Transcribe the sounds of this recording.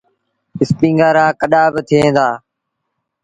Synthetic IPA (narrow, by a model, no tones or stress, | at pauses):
ɪspĩːŋɡaːɾaːkəɗaːbɪt̪ʰiẽːd̪aː